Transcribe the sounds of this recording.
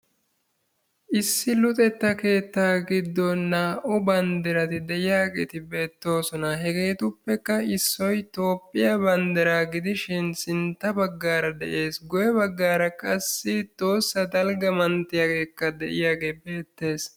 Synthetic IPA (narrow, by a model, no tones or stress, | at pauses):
ʔɪsːɪlʊt̪ʼɛt̪ːɐke̞ːt̪ːaːɡɪd̪ːɔnːaːʔɔbɐnd̪ɛɾɐt̪ɪd̪ɛʔɪjaːɡḛt̪ɪbe̞ːt̪ːo̞ːsɔnɐɦɛɡe̞ːt̪ʊpːɛkːɐɪsːɔjt̪o̞ːpʼːɪjɐbɐnd̪ɪɾaːɡɪd̪ɪʃɪnsɪnt̪ːɐbɐɡːaːɾɐd̪ɛ̰ʔe̞ːsɡɔjɛbɐɡːaːɾɐkʼɐsːɪt̪ʼo̞ːsːɐd̪ɐlɡɐmɐnt̪ːɪjaːɡe̞ːkːɐd̪ɛʔɪjaːɡeːbe̞ːt̪ːe̞ːs